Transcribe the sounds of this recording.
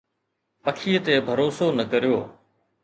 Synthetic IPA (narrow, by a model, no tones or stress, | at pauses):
pəkʰiːət̪eːbʱəɾoːsoːnəkəɾijoː